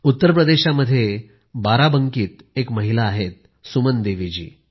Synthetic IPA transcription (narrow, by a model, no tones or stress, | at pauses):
ut̪ːəɾp̬ɾəd̪eɕaməd̪ʱːje | baɾabəŋkiːt̪ | ekməɦilaːɦet̪̚ | sumənd̪eʋid͡ʑḭː